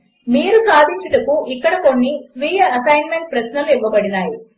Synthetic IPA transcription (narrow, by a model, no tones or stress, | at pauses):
miːɾusaːd̪ʱiɲt͡ʃɐʈɐkuʔikːɐɽɐko̞ɳːisʋiːjɐɐsɐjnme̞ɳʈ̚pɾɐsnɐluiʋːɐbɐɽinaːji